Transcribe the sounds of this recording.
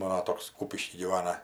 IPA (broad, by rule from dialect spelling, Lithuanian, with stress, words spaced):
ˈmɑːnoː ˈtoːks ˈkuːpʲɪʃʲkʲiː ɡʲiːˈʋɑːnɐ